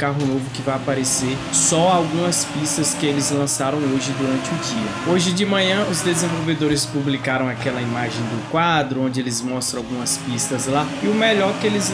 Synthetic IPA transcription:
kaɦʊnovʊkɪvajapaɾeseɾsɔawɡũmɐspist̪ɐskɪelɪzlɐ̃saɾɐ̃w̃oʒɪd̪uɾɐ̃nt͡ʃɪʊd͡ʒiɐoʒɪd͡ʒɪmɐ̃ɲɐ̃ʔʊzd̪ezẽvowved̪oɾɪspublikaɾɐ̃w̃akɛlɐimaʒẽj̃d̪ʊkwad̪ɾʊõnd͡ʒɪelɪzmɔst̪ɾɐ̃awɡũmɐspist̪ɐzlaɪʊmeʎɔɾkɪelɪz

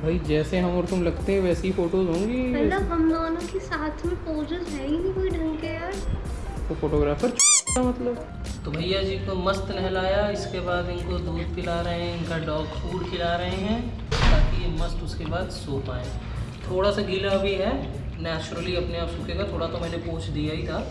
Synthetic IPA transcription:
bʱaːid͡ʒɛːseɦɐmɔːɾt̪ʊmlɐɡt̪eɦɛ̃ʋɛːseɦifoːʈoːzɦõːŋɡimlɐbɦɐmnoːnõkisaːt̪ʰmẽpoːd͡ʒɪzɦɛĩnĩɦoiɖʱɐ̃ŋkejaːɾt̪ofoːʈoːɡɾaːfəɾt͡ʃʰoːʈamɐt̪ləb | t̪obʱɐjːad͡ʒiːkomɐst̪nɛɦɛlaːjaɪskebaːd̪ɪnkod̪ʱuːd̪̚pɪlaːɾɐɦeɦɛ̃ɪnkaɖɔːkfuːɽkʰɪlaːɾɐɦeɦɛ̃ː | t̪aːkijemɐst̪ʊskebaːd̪soːpaːḛ̃ː | t̪ʰoːɽasaɡʱilabʱiɦɛ | nɛːt͡ʃɾəliɐpneaːpsʊkʰeːɡat̪ʰoːɽat̪omɛ̃ːnepoːt͡ʃʰd̪ijait̪ʰaː

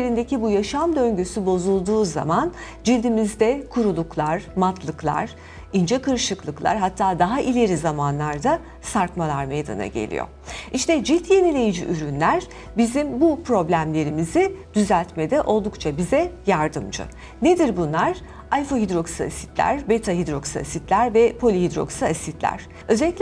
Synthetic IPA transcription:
eɾind̪ecibujaʃamd̪ø̞ɲɟøsybo̞zulˠd̪uːza̰man | d͡ʒilʲd̪imizd̪ɛkʰuɾulˠuklˠaɾ̥mat̪ʰlˠɯklˠa̰ɾ̥ | ind͡ʒɛkɯɾʃɯklˠɯklˠa̰ɾɦat̪ʰːaːd̪aɦaʔilʲe̞ɾizamanlˠaɾd̪a | saɾkmalˠaɾmejd̪a̰na̰ɟe̞̰lʲḭjo̰ | ʔiʃt̪ɛd͡ʒilʲt̪ʰje̞nilʲe̞jid͡ʒḭʔyɾynlʲæɾ | bizimbupɾo̞blʲæmlʲe̞ɾimizɪd̪̥yzælʲt̪med̪ɛʔo̞lˠd̪ukt͡ʃʰabizɛjaɾd̪ɯmd͡ʒɯ̰ | ned̪iɾbunlˠaɾ̥ | ajfo̞ɦid̪ɾo̞ksɯa̰si̥t̪lʲæ̰ɾbet̪ʰaɦid̪ɾo̞ksa̰sit̪lʲæɾvɛpʰo̞lʲiɦid̪ɾo̞̰ksɯasit̪lʲæ̰ɾ̥ | ø̞zɛlʲːicʲlʲ

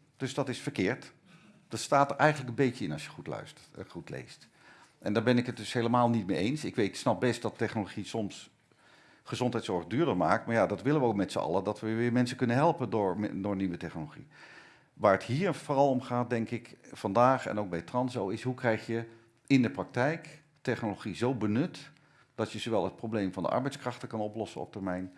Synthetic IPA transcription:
d̥ɵsdɑtɪsfəɹkɪːɹt | d̥ɑtstaːtəɹʔɛjχənləkənbejcəɪnɑsjəχutlœ̰sχutlḛjst | ʔɛndaːɹbɛnɪkət̚dɵsɦeləmaːlˠnit̚mejejnsɪkʋejtsnɑp̚bɛst̚d̥ɑtːɛχnoloχisɔms | χəzɔntɦɛjtsɔɹχdyːɹdəɹmaːk̚tmaːɹjadɑtʋɪlənʋəowkmɛtsəɑ̰lədɑtʋəʋɪːɹmɛnsəkɵnənɦɛlˠpəndʊːɹ̰dʊːɹniʋətɛχnoloχḭ | ʋaːɹətɦiːɹvorɑlˠɔmχaːt̚dɛŋkɪkfɑndaːχɛ̰nowk̚bɛjtrɑnsowɪsɦukrɛjχjə | ɪndəprɑk̚tɛjk | tɛχnoloχizowbənʏt | d̥ɑtjəzoʋɛlˠət̚prowblejmvɑndə̰ʔɑ̰ɹbɛjtskrɑχtəkɑnɔplɔsəɔ̰p̚təɹmɛjn

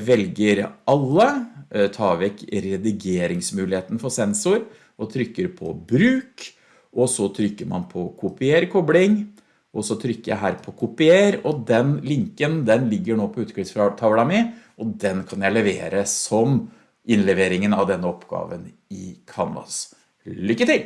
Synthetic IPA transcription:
ʋɛlɡəɾɑlːət̪ʰɑːʋɛkɾɛd̪ɪɡeːɾɪŋsmʉːlɪheːt̪n̩fɔsɛnsʊɾ | ɔt̪ʰɾʏkːəɾpʰɔ̰bɾʉːk | ʔɔsɔt̪ʰɾʏkːəɾmɑ̰npʰɔkʰʊpɪeːɾkʰɔblɪŋ | ʔɔsɔt̪ʰɾʏkːəɾjæ̰ɪɦæːɾpʰɔkʰʊpɪeːɾɔd̪ɛnlɪŋkənd̪ɛnlɪɡːəɳoːpʰɔʉːt̪kʰɾɪsfɾɑt̪ʰɑʋlɑmɪ | ɔd̪ɛnkʰɑnjæɪlɛʋeːɾəsɔm | ɪnlɛʋeːɾɪŋənɑʋd̪ɛnːəɔpːɡ̥ɑ̰ːʋən | ɪkʰɑnʋɑ̰s | lʏkːət̪ɪl

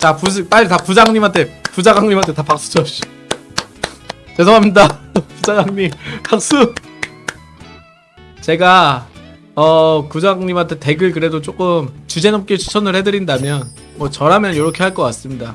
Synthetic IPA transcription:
t͡ɕapup͈aʎːitapud͡ʑaŋɲimɦantʰe̞pud͡ʑaɡaŋɲimantʰe̞tapak̚s͈u̥d͡ʑʰʌɕ͈i | t͡ɕesʰʌkʰamɲidapud͡ʑaɡaŋɲimpak̚s͈u | t͡ɕe̞ɡa | ʌkud͡ʑaɡaŋɲimantʰe̞te̞ɡɯɭkɯɾe̞dot͡ɕ͈ok͈ɯmt͡ɕud͡ʑe̞nʌp̚k͈et͡ɕʰu̥t͡ɕʰʌnɯɭhe̞dɯɾindamjʌn | mwʌt͡ɕʌɾɦamjʌnjʌɾʌkʰe̞ɦaɭk͈ʌk͈as͈ɯmɲida

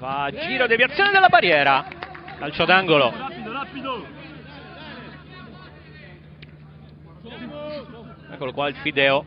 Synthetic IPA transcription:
fad͡ʒiːɾod̪evjat̪sjoːned̪elːabaɾjɛːɾalalt͡ʃɔd̪aŋɡoloapid̪o | ɛkːolokwaelfid̪ɛːo

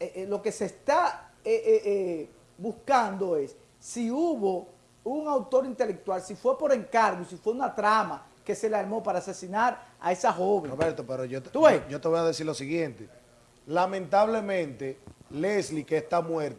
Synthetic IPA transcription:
eʔlo̞ke̞seːst̪aeʔeʔe | buskand̪o̞e̞sː | iuβo̞ | uŋawt̪o̞ɾint̪e̞le̞k̚t̪walsifwe̞po̞ɾe̞ŋkaɾɣoisifwe̞unat̪ɾama | ke̞se̞lealmo̞paɾaːsesinaɾa̰esaxo̞βẽɾoβeɾt̪opeɾoʝot̪t̪ueʝot̪eβo̞jaðesiɾlosiɣje̞nt̪e | lamẽnt̪aβle̞mẽnt̪eleslikeːst̪amweɾt̪

